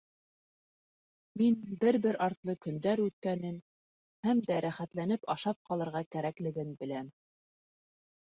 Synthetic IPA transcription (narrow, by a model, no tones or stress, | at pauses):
minbɘɾbɘɾɑɾt̪lˠɤkɵ̆nd̪æɾʉt̪̚kænɘm | hæmd̪æɾæχæt̪lænɘpɑʃɑp̚qɑlˠɤ̆ɾʁɑkæɾæklɘ̆ɡɘnbɘ̆læm